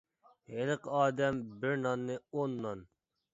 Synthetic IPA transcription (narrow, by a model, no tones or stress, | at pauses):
helɨqɑːd̪ɛmbɪɾnɑnːɨonːɑn